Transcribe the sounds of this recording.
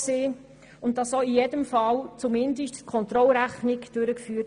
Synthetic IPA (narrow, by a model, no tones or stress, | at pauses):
seː | ʊnt̚d̥ɑsoːijedəmfɑlt͡sumɪndəʃtkʰɔnt̪rɔlɾæχnɪkd̥øɾəkfyː